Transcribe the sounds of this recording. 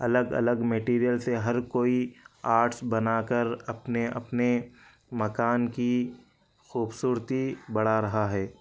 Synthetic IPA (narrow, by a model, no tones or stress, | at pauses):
ɐləɡɐ̰ləɡmeʈiːɾijəlseɦɐɾkoːiaːɾʈsbɐnakəɾɐpneɐ̰pne | mɐkaːnki | xuːbsuːɾt̪ibɐɽ̤aɾɐɦaɦɛː